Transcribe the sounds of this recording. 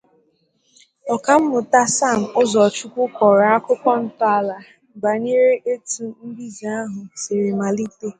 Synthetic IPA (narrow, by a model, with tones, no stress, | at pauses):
ɔ˨ka˨m̩˦mʊ˨ta˦sa˦˨m̩˨ʊ˦zɔ˨t͡ʃu˦kʷʊ˦kʷɔ˨ɾa˨a˦kʊ˦kɔ˦n̩˦ta˦˨la˨ | ɡ͡ba˨ni˦ɾe˦ʔe˦tu˨m̩˦bi˦zi˨a˦ɦʊ˨se˨ɾi˨ma˨li˦te˦